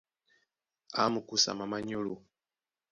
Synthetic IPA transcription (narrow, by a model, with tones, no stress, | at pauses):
a˨˦mu˨ku˦sa̰˨ma˨ma˦ɲo˦lu˨